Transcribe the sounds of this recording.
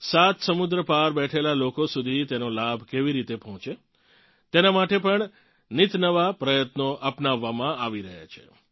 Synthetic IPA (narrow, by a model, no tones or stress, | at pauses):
sat̪səmud̪ɾəpaɾbɛʈʰelalokosud̪ʱit̪enolabʱkeʋiɾit̪epəɦɔ̃t͡ʃe | t̪enamaʈepəɳ | nit̪nəʋapɾəjət̪noʔapnaʋːamãaʋiɾəɦa̰t͡ʃʰḛ